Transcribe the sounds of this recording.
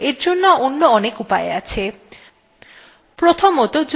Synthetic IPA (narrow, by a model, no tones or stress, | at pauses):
eɾd͡ʑonːoonːoɔnekupaḛat͡ɕʰe | pɾot̪ʰomot̪od͡ʑ